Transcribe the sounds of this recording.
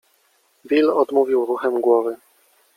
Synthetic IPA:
bʲilɔd̪muvʲiwɾuxɛmɡwɔvɘ

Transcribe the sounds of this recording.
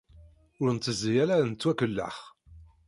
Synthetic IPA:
ʊɾnt̪ːəzːijælænt͡s̪ːwækəlːə̰χ

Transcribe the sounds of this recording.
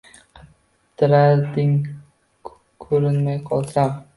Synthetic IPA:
qʰɨ | t̪ʰɪɾaɾd̪ɪŋ | kʰɵɾɪnmajqʰɒlˠt̪ʰɾam

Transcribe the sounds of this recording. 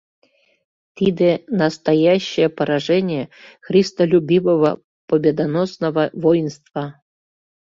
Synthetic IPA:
t̪ʲid̪enɐst̪ɐjaɕːɪjəpəɾɐʐɛnʲɪjəxɾʲist̪əlʲubʲivəvə̰ | pəbʲed̪anosnəvəvojɪnst̪va

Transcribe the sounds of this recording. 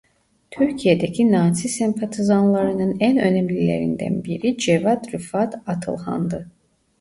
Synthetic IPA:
t̪ʰyɾcʰijed̪ecʰinaːsisɛmpʰat̪ʰizanlˠaɾɯnɯnænø̞nɛmlʲilʲḛɾḭnd̪æ̰nbiɾid͡ʒɛvad̪ɾyfat̪at̪ʰɯ̰lˠha̰nd̪ɯ

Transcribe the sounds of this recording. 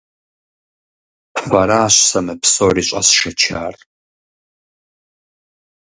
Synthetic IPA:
faɾaːɕʷsamɨpsoːriɕʷʼa̰sʂɐt͡ʃʰa̰ːrʼ

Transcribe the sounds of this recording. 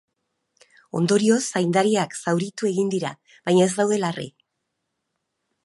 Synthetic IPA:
o̞̰nd̪o̞ɾio̞sajnd̪aɾiaksawɾit̪ue̞ɣind̪iɾa | βajɲae̞zd̪awðe̞larḭ

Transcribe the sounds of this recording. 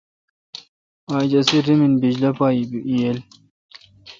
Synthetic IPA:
aːd͡ʑɐsiɾiminbid͡ʑlɐpaːjibiʔijel

